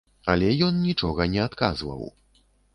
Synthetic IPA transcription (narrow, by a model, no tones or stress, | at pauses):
alʲɛjɔnnʲit͡ʂɔɣɐnʲɛat̪kazvɐ̰w